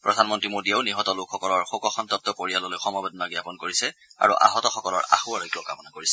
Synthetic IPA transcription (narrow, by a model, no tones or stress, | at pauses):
pɹɔdʱanmɔntɹimodiaʊniɦɔtɔlʊkʰxɔkɔlɔɹxokɔxɔntɔp̚tɔkoɹijalɔlojxɔmɔbɛdɔnaɡjapɔnkoɹisɛa̰ɹṵʔa̰ɦɔtɔxɔkɔlɔ̰ɹa̰xuaɹɔjkiɔkamɔnakoɹisɛ̥